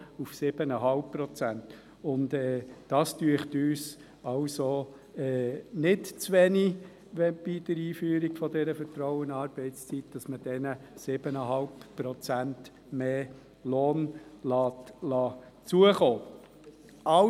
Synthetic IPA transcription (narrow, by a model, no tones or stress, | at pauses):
ufsɪb̥ənəɦɑlppːrɔt͡sænt | ʊndɛːd̥ɑːstyəχtyːs | ɑwso | ɛnɪtt͡sʋɛni | ʋɛb̥id̥əɾiːfyːɾiɡ̥fɔdɛɾəfətɾɔʊənɑːɾb̥ɛɪtt͡st͡sitd̥ɑsməd̥ɛnəsɪb̥ənəɦɑlppːɾɔt͡sænt | meː | loːnlɑːtlɑː | t͡suəχoː | ɑ